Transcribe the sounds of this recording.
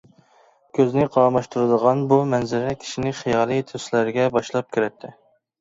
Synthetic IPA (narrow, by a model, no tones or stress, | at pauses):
kʲʰøznɪqʰɑmɑʃt̪ʰuɾɨd̪əʁɑnbumɛnzɪɾɛkʲʰi̥ʃinɪχijɑːlˠijt̪ʰøslæɾɪɡʲɛbɑʃlˠɑp̚kʲʰyɾɛt̪ʰːɪ